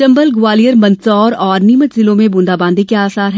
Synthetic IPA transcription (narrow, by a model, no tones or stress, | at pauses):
ɐ̃mbəlɡʊʋaːlijəɾmɐ̃nsɔːɾɔːɾniːmət̪zɪlõmẽbʊ̃ːnd̪aːbãːnd̪ikeaːsaːɾɦɛ